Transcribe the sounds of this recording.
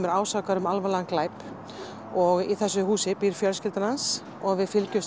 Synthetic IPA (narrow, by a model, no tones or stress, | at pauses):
mɛɾaːwsakaɾʏmalvalɛanklaːjp | ɔɣiθɛsːʏɦuːsɪpiɾ̥fjœɾs̬cɪlt̪ɪnhans | ɔɣvɪðfɪlcʏs